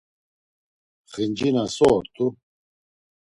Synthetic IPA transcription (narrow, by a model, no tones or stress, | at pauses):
χind͡ʒinasɔːɾt̪ʰʼu